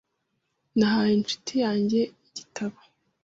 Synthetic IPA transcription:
naɦajint͡ʃu̥tʰijaːɲɟe̞iɟitʰaβa

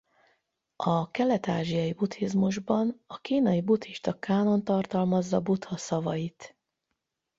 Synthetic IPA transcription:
ɒkɛlɛt̪aːʒijɒjibut̪ʰizmuʒbɒnɒkiːnɒjibut̪hiʃt̪ɒkaːno̞nt̪ɒrt̪ɒlmɒzːɒbut̪hɒsɒvɒjit̪

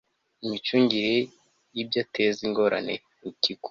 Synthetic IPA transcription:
imit͡ʃuːɲɟiɾe | jibjateziŋɡo̞ɾa̰ne | muciku̥

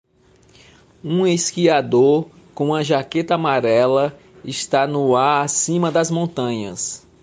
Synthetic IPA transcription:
ũeskiad̪oɾ | kõũɐʒaket̪ɐamaɾɛlɐ | ɪst̪anʊaɾasĩmɐd̪ɐzmõnt̪ɐ̃ɲɐ̰s

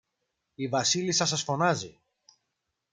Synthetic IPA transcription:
ivɐsilisɐs̬ɐsfo̞nɐzḭ

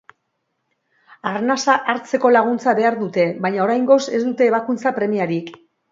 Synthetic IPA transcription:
arnasaʔaɾt͡se̞ko̞laɣ̞unt͡saβe̞aɾðut̪e̞βajɲao̞ɾajŋɡo̞se̞zd̪ut̪e̞ːβakunt͡sapɾe̞miaɾik

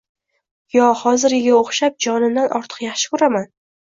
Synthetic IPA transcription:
jɒhɒzɪɾɪɡʲaoχʃap̚d͡ʒɒnɪnd̪anʔɒɾt̪ʰɨ̥qjaχʃɪ̥kɵɾaman

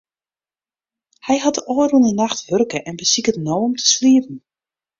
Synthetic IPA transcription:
hɛjhatəʔoːrunənaxtʋørkəʔɛnbəsikətnoːɔmtʰə̥sliəpn̩

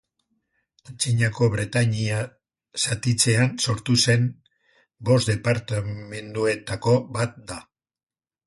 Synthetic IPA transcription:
at͡siɲako̞βɾet̪aɲia | sat̪it͡se̞anso̞ɾt̪use̞n | bo̞sd̪e̞paɾt̪ame̞nd̪ue̞t̪ako̞bat̪̚d̪a

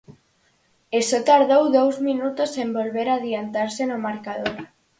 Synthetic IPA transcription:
esot̪aɾðowðowzminut̪osembolβeɾað̞iant̪aɾsenomaɾkaðoɾ

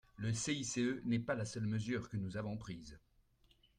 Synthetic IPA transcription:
ləseiseønɛpalasœlməzyːʁkənuzavɔ̃pχiːz

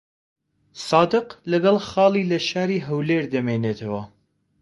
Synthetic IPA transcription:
sɑːd̪ɨqlɐɡɐlˠxɑːlˠiːlɐʃaːɾiːɦɐwleːɾd̪ɐmeːneːt̪ʰɐwɐ

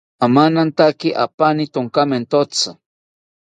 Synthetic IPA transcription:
amanant̪akiʔa̰panit̪oŋkament̪ot͡sa

